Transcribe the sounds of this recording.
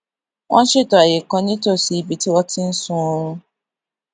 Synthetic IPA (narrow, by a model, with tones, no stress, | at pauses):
wʔã˦n˦ʃɪ˦tɔ˨a˨jɪ˨kɔ˦ɲi˦to˦˨si˨i˨bi˨ti˦wɔ˦tɪ˦n̩˦sʊ˦ɔ˦ɾ̃ʊ̃˦